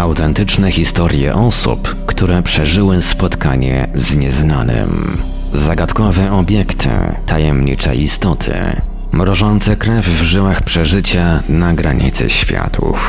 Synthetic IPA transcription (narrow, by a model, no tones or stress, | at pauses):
awt̪ɛnt̪ɘt͡ʂnɛxʲist̪ɔɾʲjɛ̰ʔɔsṵp | kt̪uɾɛpʂɛʐɘwɘspɔt̪kaɲɛ̰zɲɛznanɘ̰m | zaɡat̪kɔvɛɔbʲjɛkt̪ʰɘ̰ | t̪ajɛmɲḭt͡ʂɛ̰ist̪ɔt̪ʰɘ̰ | mɾɔʐɔnt̪sɛkɾɛvːʐɘwaxpʂɛʐɘt͡ɕanaɡɾaɲḭt̪sɛ̰ɕfʲja̰t̪ʰṵf